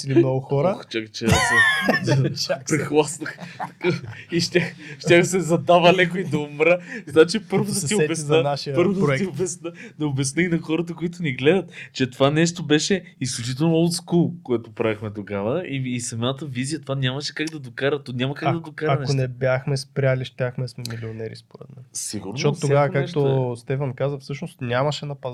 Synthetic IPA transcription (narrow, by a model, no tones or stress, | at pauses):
linɔɡʊxɔɾəkt͡ʃʲakt͡ʃɛsɛ | t͡ʃpɾɛxlˠasnɐxt̪ɐkaiʃt̪ʲaxʃt̪ʲjaxsɛzɐd̪avɐlɛkoid̪ɐʊmɾəznat͡ʃipɤɾvod̪ɐt̪iobɛsənaʃipəɾvod̪ɾɛt̪iobɛsnəd̪ɐobɛsnəinɐxɔɾət̪̬əkoit̪ʊniɡlɛd̪ət̪t͡ʃɛt̪ovanɛʃt̪obɛʃɛ | isklʲut͡ʃit̪ɛlˠnoolˠt̪skulˠkoɛt̪opɾavixmɛt̪oɡavəiːsɐmat̪əvizijət̪ovanʲaməʃɛ̥kaɡd̪ɐd̪okaɾət̪nʲamɐkaɡd̪ɐd̪okaɾanɛonɛbjaxmɛspɾʲaliʃt̪ʲaxmɛsmɛmilionɛɾḭspoɾɛ̰t̪mɛmsiɡʊɾnʃɔt̪t̪ːoɡavɐkakɛk̚t̪ost̪ɛfɐnkazəfsɤʃnost̪nʲamɐʃɛnɐpɐz